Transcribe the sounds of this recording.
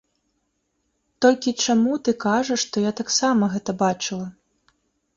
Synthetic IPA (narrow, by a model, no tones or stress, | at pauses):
t̪ɔlʲkʲit͡ʂamut̪ɨkaʐɐʂt̪ɔjat̪aksamɐɣɛt̪ɐbat͡ʂɨlˠɐ